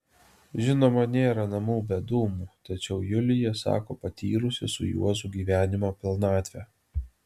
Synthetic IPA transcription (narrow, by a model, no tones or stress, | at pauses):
ʒʲɪnoːmɐnʲeːɾɐnɐmuːbʲɛd̪uːmuːt̪ɐt͡ʃʲɛʊjʊlʲɪjɛsɑ̰ːkoːpɐt̪ʲiːɾʊsʲɪsʊ̰jṵɔzuːɡʲiːʋʲæːnʲɪmoːpʲɪlˠnɑːt̪ʲʋʲɛ